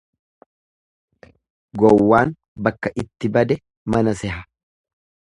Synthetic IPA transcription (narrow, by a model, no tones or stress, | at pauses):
ɡɔwːaːn | bɐkːɐʔɪt̪ːɪbɐd̪ɛ | mɐnɐsɛɦɐ